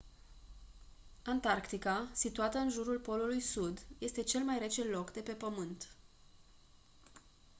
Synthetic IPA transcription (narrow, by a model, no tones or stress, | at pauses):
ant̪arkt̪ikasit̪uat̪əɨnʒuɾulpo̞lulujsud̪je̞st̪e̞t͡ʃe̞lmajɾe̞t͡ʃe̞llo̞kd̪e̞pe̞pəmɨnt̪